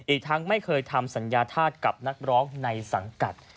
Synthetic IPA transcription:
ʔiː˨˩k̚t̪ʰa˦˥ŋma˥˩jkʰɤː˧jt̪ʰa˧msa˩˦njaː˧t̪ʰaː˥˩t̪̚ka˨˩p̚na˦˥k̚ɾɔː˦˥ŋna˧jsa˩˦ŋka̰˨˩t̪̚

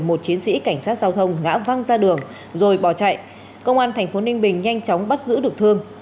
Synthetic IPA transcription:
mo˨˩t̚t͡ɕi˨˦ənsḭ˧˥ka˧˩jŋ̟saː˦˥t̚zaː˧wt̪ʰə˧wŋ͡mŋa̰ː˧˥va˧ŋzaː˧ɗɨ˨˩əŋ | zo˨˩jɓɔ˧˩t͡ɕa̰˧˨jʔ | kə˧wŋ͡mʔaː˧nt̪ʰɛ˨˩ŋ̟fo˨˦nï˧ŋ̟ɓï˨˩ŋ̟ɲa˧jŋt͡ɕɔ˨˦wŋ͡mɓa˦˥t̚zɨ̰˧˥ɗɨ˨˩ək̚t̪ʰɨ˧əŋ

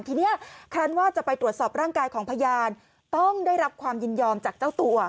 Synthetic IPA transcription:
nt̪ʰiː˧ni˦˥˩ɐkʰaː˥˩nwaː˥˩t͡ɕa˨˩pa˧jt̪ɾu˨˩ət̪̚sɔː˨˩p̚ɾaː˥˩ŋkaː˧jkʰɔː˩˦ŋpʰa˧jaː˧n | t̪ɔ˥˩ŋdaː˥˩jɾa˦˥p̚kʰwaː˧mjɯ˧njɔː˧mt͡ɕaː˨˩k̚t͡ɕaː˥˩wt̪u˧ɐ

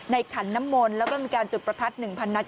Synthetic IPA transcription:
na˧jkʰa˩˦nːa˦˥mːoː˧nlɛː˦˥wkɔː˥˩miː˧kaː˧nt͡ɕu˨˩t̪̚pɾa˧t̪ʰa˦˥t̪̚nɯ˨˩ŋpʰa˧nːa˦˥

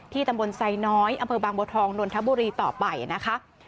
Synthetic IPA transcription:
t̪ʰiː˥˩t̪a˧mbo˧nsa˧jnɔː˦˥jʔa˧mpʰɤː˧baː˧ŋboː˧t̪ʰɔː˧ŋdu˧ənt̪ʰa˦˥buː˧ɾiː˧t̪ɔː˨˩pa˧jna˦˥kʰa˦˥ʔ

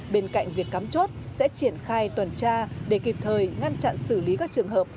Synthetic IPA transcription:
ɓe˧nka̰˧˨jŋ̟vi˨˩əkːaː˨˦mt͡ɕo˦˥t̚sɛ̰˧˥t͡ɕi˧˩ənxaː˧jt̪wə˨˩nt͡ɕaː˧ɗe˧˩ki˨˩p̚t̪ʰəː˨˩jŋa˧nt͡ɕa̰˧˨nsɨ˧˩li˨˦kaː˦˥k̚t͡ɕɨ˨˩əŋɦəː˨˩p̚

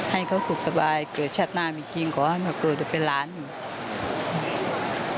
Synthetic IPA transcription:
ha˨˩jkʰa˧˥˩wt̪ʰu˨˩k̚sa˧baː˧jkɤː˨˩t̪̚t͡ɕʰa˧˩t̪̚naː˧˩˨miː˧˩t͡ɕi˧ŋkɔː˨˦ha˧˦nka˧˩kɤː˨˩t̪̚du˧˩pe˧˨nlaː˨˦˥nːi˧˩˧

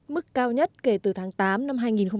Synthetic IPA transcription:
mɨ˦˥kːaː˧wɲə˦˥t̚ke˧˩t̪ɨ˨˩t̪ʰaː˨˦ŋt̪aː˨˦mna˧mɦaː˧jŋi˨˩nxə˧ŋ͡m

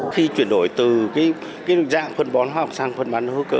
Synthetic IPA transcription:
xi˧t͡ɕwi˧˩ənɗo˧˩jt̪ɨ˨˩kaː˨˦j | kaː˨˦jza̰ː˧˨ŋfə˧nɓɔ˨˦nɦwaː˧˨˧k͡p̚saː˧ŋfə˧nɓaː˨˦nhɨ˨˦kəː˧˦

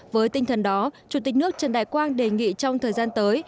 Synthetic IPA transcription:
vəː˨˦jt̪ï˧ŋ̟t̪ʰə˨˩nɗɔ˨˦t͡ɕu˧˩t̪i˨˩k̟̚nɨ˦˥ək̚t͡ɕə˨˩nɗa̰ː˧˨jkwaː˧nɗe˨˩ŋḭ˧˨t͡ɕɔ˧wŋ͡mt̪ʰəː˨˩jzaː˧nt̪əː˨˦j

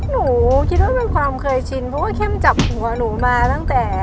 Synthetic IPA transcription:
nuː˩˦kʰi˦˥t̪̚waː˥˩e˧nkʰwaː˧mkʰɤː˧jt͡ɕʰi˧npʰɾɔ˦˥waː˥˩kʰe˥˩mt͡ɕa˨˩p̚hu˩˦ɐnuː˩˦maː˧t̪a˥˩ŋt̪ɛː˨˩

